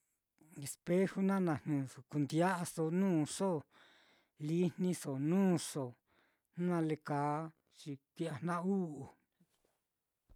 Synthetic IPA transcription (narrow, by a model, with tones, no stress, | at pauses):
e˧spe˦hu˧˦nã˦nã˧˨n̥nũ˨o˨ku˨nd̪ja˦ʔa˧so˧nũː˦˨ʂo˦˨ | li˦nnĩ˧so˨nũː˦˨ʂo˨˦ | ã˧le˧kaː˨˦ | t͡ʃi˧kʷi˦a˧n̥ã˦u˦ʔu˨